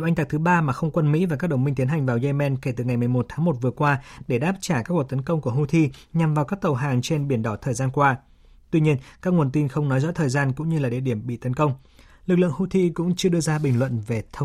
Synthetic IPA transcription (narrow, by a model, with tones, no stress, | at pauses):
wʔa˧jŋt̪a˨˩k̚t̪ɨ˨˦ɓaː˧maː˨˩xə˧wŋ͡mkwə˧nmḭ˧˥vaː˨˩kaː˦˥k̚ɗə˨˩wŋ͡mmï˧ŋ̟t̪i˨˦ənɦa˨˩ŋ̟vaː˨˩wze˧mɛ˧nke˧˩t̪ɨ˨˩ŋa˨˩jmɨ˨˩əjmo˨˩t̪̚ʰaː˨˦ŋmo˨˩t̚vɨ˨˩əkwaː˧ɗe˧˩ɗaː˦˥p̚t͡ɕaː˧˩kaː˦˥kwək̚t̪ə˨˦nkə˧wŋ͡mku˧˩əhu˧t̪ʰi˧ɲa˨˩mvaː˨˩wkaː˦˥k̚t̪ə˨˩wɦaː˨˩ŋt͡ɕe˧nɓi˧˩ənɗɔ˧˩t̪ʰəː˨˩jzaː˧nkwaː˧ | t̪wi˧ɲi˧ənkaː˦˥k̚ŋ˨˩ənt̪i˧nxə˧wŋ͡mnɔ˨˦jzɔ̰˧˥t̪ʰəː˨˩jzaː˧nkʊ̰˧˥ŋ͡mɲɨ˧laː˨˩ɗi˨˧˩əɗi˧˩əmɓḭ˧˨t̪ə˨˦nkə˧wŋ͡m | lɨ˨˩k̚lɨ̰˧˨əŋhu˧˥t̪ʰi˧kʊ̰˧˥ŋ͡mt͡ɕɨ˧ə˧ɗɨ˧əzaː˧ɓï˨˩ŋ̟lwə̰˧˨nve˨˩t̪ʰə˧w